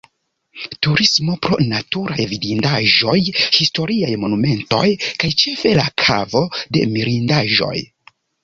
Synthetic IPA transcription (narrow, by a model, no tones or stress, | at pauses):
tuɾismo̞pɾo̞̰natuɾajvidindaʒo̞jhisto̞ɾiajmo̞nume̞nto̞̰jkajt͡ʃe̞fe̞lakʰa̰vo̞de̞̰miɾindaʒo̞̰j